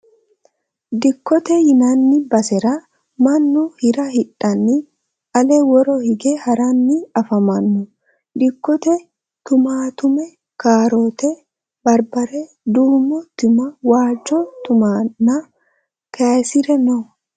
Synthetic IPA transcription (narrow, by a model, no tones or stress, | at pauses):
d̪ɪkːɔt̪ɛhɪnanːɪbɐsɛɾɐ | mɐnːuhɪɾɐhɪᶑɐnːɪ | ɐleːwɔɾoːhɪɡehɐɾɐnːɪɐfɐmɐnːʊ | d̪ɪkːɔt̪ɛ | t̪ʊmaːt̪ʊmɛ | kaːɾoːt̪ɛ | bɐɾbɐɾɛ | d̪uːmɔt̪ɪmɐwaːd͡ʒot̪ʊmaːnːa | kʰeːsɪɾɛnɔ